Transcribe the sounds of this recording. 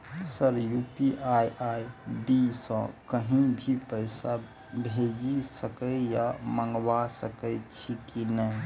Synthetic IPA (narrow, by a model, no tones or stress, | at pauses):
səɾjupiʔajʔajɖisə̰̃kəɦĩbʱipəɪsa | bʱed͡ʒisəkəjaməŋɡʋasəkət͡ʃʰikinəj